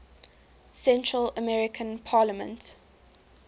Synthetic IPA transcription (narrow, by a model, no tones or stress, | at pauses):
sɛ̃ntʰɹələmɛɹɪkʰə̃npʰaːləmə̰̃nt